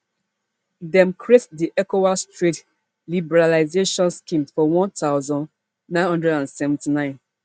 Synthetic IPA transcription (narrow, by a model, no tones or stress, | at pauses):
dɛ̃mkʰɹetdiʔɛkowastɹit | libɛɹalaɪzeʃɔ̃nskĩmfɔwɔ̃ntaʊzɔ̃n | nãɪ̃nhɔ̃ndɹɛdãnsɛvɛ̃ntinãɪ̃n